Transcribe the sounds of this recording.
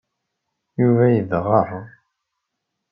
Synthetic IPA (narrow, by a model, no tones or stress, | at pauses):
juvæjəðʁəɾˤ